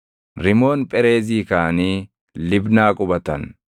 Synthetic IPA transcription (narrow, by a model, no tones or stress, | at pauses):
ɾɪmo̞ːnpʼɛɾe̞ːziːkaːniː | lɪbnaːkʼʊbɐt̪ɐn